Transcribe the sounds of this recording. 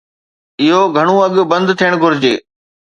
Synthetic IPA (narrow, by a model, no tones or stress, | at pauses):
ɪɦoɡʱɐɽ̃ũɐɠbɐ̃nd̪t̪ʰijəɽ̃ɡʱʊɾd͡ʑeː